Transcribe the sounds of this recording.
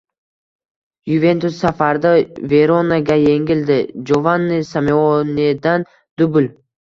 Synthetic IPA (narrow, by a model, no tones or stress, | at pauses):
juve̞nt̪ʊsːafaɾd̪ave̞ɾonaɡʲaje̞ŋʲɪld̪ɪd͡ʒovanːɪsameoned̪an | d̪ʊbʊl